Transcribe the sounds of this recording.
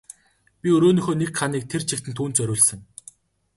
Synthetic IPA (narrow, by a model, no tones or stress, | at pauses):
pʲiɵɾoːniːxoːnekχaniːk̚t̪ʰert͡ɕʰĭk̚t̪ɘ̆nt̪ʰuːnt͡sœɾʲʊːɮsɘ̆ŋ